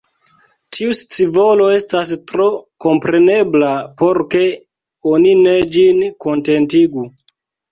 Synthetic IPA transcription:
tʰiust͡sivo̞lo̞e̞stas̬tɾo̞ko̞mpɾe̞ne̞blapo̞ɾke̞ | o̞nine̞d͡ʒinko̞nte̞ntiɡu

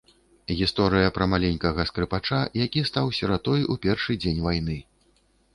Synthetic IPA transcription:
ɣʲist̪ɔɾɨjɐpɾɐmalʲenʲkɐɣɐskɾɨpat͡ʂajakʲist̪awsʲɐɾat̪ɔjupʲɛrʂɨd͡zʲenʲvajn̪ɨ

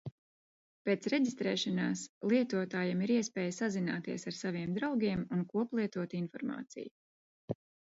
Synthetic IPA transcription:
peːt̪sɾeɟist̪ɾɛːʃanaːslˠiɛt̪uɔt̪aːjamiɾiɛspɛːjsazina̰ːt̪iɛsaɾsaviɛmd̪ɾawɡʲiɛmunkuɔplˠiɛt̪uɔt̪infɔɾma̰ːt̪sḭj

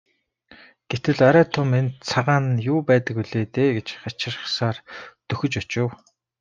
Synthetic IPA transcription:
ɡ̥et̪ɘ̆ɮɔɾæːt̪ʰʊment͡sʰaʁaːnjʊːpæːt̪ə̆kɵɮeːt̪eːɡet͡ɕχat͡ɕɪ̆rχsaːrt̪ɵxɵ̆t͡ɕɔt͡ɕʊ̆w

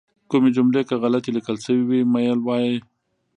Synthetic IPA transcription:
kʊmed͡ʒʊmlekaɣalat̪ilɪkəlsəwiwimajəlwɑje

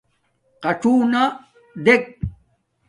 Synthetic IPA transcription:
qɐʈ͡ʂuːna | d̪ek̚

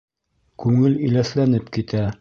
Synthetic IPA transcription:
kʉŋɘlɵ̆jlæθlænɘpkit̪æ

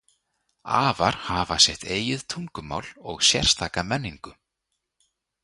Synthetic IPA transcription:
a̰ːvaɾ̥havasjɛht̪eːjɪð̥t̪ʰuŋkʏma̰ːwlɔɣsjɛ̰r̥st̪ʰaːkamɛnːiŋkʏ

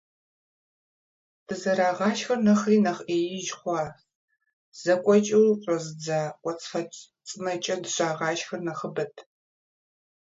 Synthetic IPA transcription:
d̥ɨzɐɾaːʁɑːʃxɐrnɐχriːnɐχʔeːjɪʒχʷɑː | z̥ɐkʷʼɔt͡ʃʼɐwɕʷʼɐzɨd͡zaːkʷʼɔt͡sʼfɐ | t͡sʼɨnɐt͡ʃʼɐdɨɕʼaːʁɑːʃxɐrnɐχəbɐtʰ

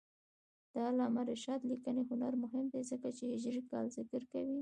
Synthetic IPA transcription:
d̪̥ɑlɑmaɾeʃɑt̪likəneɦʊnaɾmʊɦɪmd̪ezəkat͡ʃeʒɾikɑ̰lzɪkəɾkawi

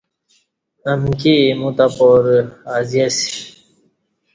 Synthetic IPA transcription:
ɐmkimũt̪apoɾazijasi̥

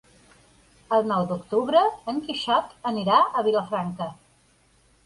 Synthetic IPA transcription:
əlˠnɔwd̪ukt̪uβɾəəŋkiʃɔt̪əniɾaəβiləfɾaŋkə

